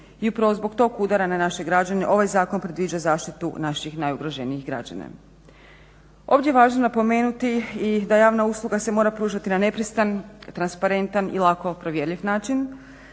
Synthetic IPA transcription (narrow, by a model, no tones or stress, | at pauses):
iupɾaʋozbo̞kt̪o̞ːkuːd̪aɾananaʃe̞ɡɾad͡ʒaneʔo̞ʋajzaːko̞npɾe̞d̪ʋiːd͡ʒazaːʃt̪it̪ṵnaʃixnajuɡɾoʒeniixɡɾa̰d͡ʒa̰na̰ | o̞ːʋd̪ʲjeeʋaːʒnonapo̞me̞ːnut̪iid̪ajaːʋnauslˠuɡase̞mo̞ːɾapɾuːʒat̪inane̞pɾist̪ant̪ɾanspaɾe̞nt̪anḭlˠako̞pɾoʋjeɾʎʲiʋnaːt͡ʃin